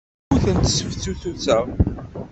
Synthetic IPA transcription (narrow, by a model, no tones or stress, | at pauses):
uθənt̪səfθuθut͡sːæ